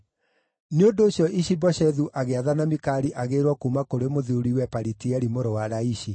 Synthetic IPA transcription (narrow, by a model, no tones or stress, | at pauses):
neondoːɕjɔʔiɕibɔʃɛðuʔaɣeaðanamikaɾiʔaɣeɾwɔkuːmakoɾemoðiuɾiwɛpaɾitiɛɾimoɾowaɾaiʃi